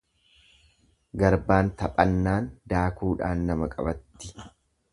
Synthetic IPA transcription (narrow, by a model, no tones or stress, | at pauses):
ɡɐɾbaːnt̪ɐpʼɐnːaːnd̪aːkuːᶑa̰ːnːɐmɐkʼɐ̰bɐt̪ːɪ̥